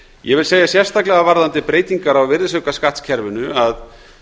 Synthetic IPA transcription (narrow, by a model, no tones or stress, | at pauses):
jɛɣvɪlseːjasjɛr̥st̪aklɛɣavaɾðant̪ɪpɾeːjt̪iŋkaɾawvɪɾðɪsœkaskaht̪scʰɛɾvʏnʏað